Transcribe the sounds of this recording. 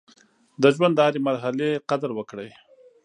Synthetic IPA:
d̪əʒwand̪əaɾemaɾɦaleqad̪ɾwəkɽəj

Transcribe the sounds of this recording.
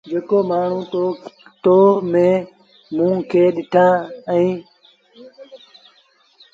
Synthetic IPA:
d͡ʒeːkoːmaːɳ̤ũːt̪ot̪oːmẽː | mũːkʰeːɗɪʈʰãːĩː

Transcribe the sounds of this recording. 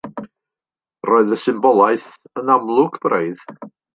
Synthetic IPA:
roɨðəsɪmbɔlˠaɨθ | ənamlˠʊɡb̥reɨð

